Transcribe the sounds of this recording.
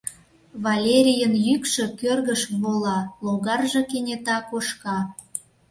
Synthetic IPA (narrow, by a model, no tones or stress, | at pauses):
βɑlʲeɾʲijənjykʃĕkørɣəʃβolɑloɣɑrʒɤ̆kenʲet̪ɑkoʃkɑ